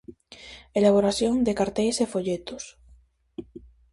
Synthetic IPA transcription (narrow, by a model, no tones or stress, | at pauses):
elaβ̞oɾaθjoŋd̪ekaɾt̪ejsefoʎet̪os